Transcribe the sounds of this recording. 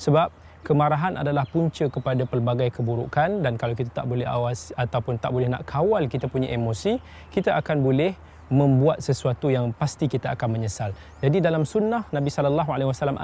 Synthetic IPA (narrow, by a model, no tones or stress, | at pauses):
səbap̚ | kəmaɾaɦana̰dalahpuɲt͡ʃəkəpadapəlbaɡajkəbuɾṵkandankalawk̬it̪at̪aʔbolɛɦa̰wasat̪awpʊnt̪aʔbolɛhna̰ʔkʰawalkit̪apuɲa̰ʔemosi | kit̪aʔakanbolɛh | mə̃mbuat̪̚səsuat̪ujaŋpast̪ikit̪aakanməɲəsal | d͡ʒadidalamsunːahnãbisalalːaɦualewasalamʔa